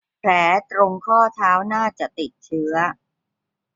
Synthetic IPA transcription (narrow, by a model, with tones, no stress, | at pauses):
pʰlɛː˩˦t̪ɾo˧ŋkʰɔː˥˩t̪ʰaː˦˥wnaː˥˩t͡ɕa˨˩ʔt̪i˨˩t̪̚t͡ɕʰɯ˦˥ɐ